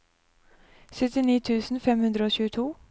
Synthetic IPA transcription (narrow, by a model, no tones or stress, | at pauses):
sœt̪ɪniːt̪ʰʉːsn̩fɛmhʉnd̪ɾəoːçʉːət̪ʰuː